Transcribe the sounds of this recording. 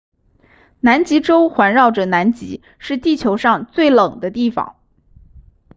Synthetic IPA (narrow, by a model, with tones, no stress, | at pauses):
na˧˥nt͡ɕi˧˥ʈ͡ʂo˥ʊxwa˧˥nɻɑ˥˩ʊʈ͡ʂə˩na˧˥nt͡ɕḭ˧˥ | ʂɻ̩˥˧t̪i˥˩t͡ɕʰjo˧˥ʊʂɑ˥˧ŋt͡swe˥˩ɪlɤ˨˩ŋd̪ə˦t̪i˥˩fɑ̰˨˩˦ŋ